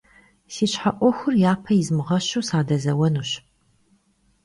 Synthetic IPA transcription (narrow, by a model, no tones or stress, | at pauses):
siːɕħaʔʷɔxʷʊrjaːpʰɐjɪzmɨʁɐɕusaːdɐzɐwɐnuːɕ